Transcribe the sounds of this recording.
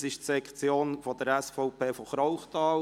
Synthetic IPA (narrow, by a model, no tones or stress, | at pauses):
sɪʃtsɛkt͡sjoːnfod̥əɾɛsfɔʊpʰeːfoχɾɔʊχtɑːl